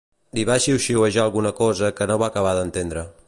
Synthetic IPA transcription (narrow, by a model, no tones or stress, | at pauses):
d̪iβaʃiuwʃiwəʒaəlˠɣunəkɔzəkənoβakəβ̞aðənt̪end̪ɾə